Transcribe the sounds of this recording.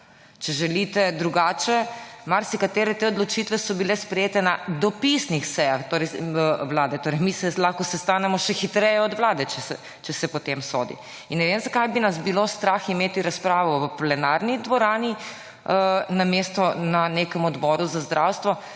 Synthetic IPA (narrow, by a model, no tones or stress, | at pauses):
t͡ʃɛʒɛlit̪ɛd̪ɾuɡaːt͡ʃɛmaɾsikat̪eːɾɛt̪eod̪lɔt͡ʃit̪ʋɛsɔbilɛspɾɛjeːt̪ɛnad̪ɔpisnixsɛjaxt̪oːɾɛjʋlaːd̪ɛt̪oːɾɛjmisɛlaxkɔsɛst̪aːnɛmɔʃɛxit̪ɾɛjɛɔd̪ʋlaːd̪ɛt͡ʃɛsɛ | t͡ʃɛsɛpɔt̪emso̰ːd̪ḭ | inːɛʋemzakajbinasbilost̪ɾaximeːt̪iɾaspɾaːʋɔʋplɛnaɾnid̪ʋɔɾaːni | ənamest̪ɔnanekəmɔd̪bɔːɾuzazd̪ɾʔawst̪ʋɔ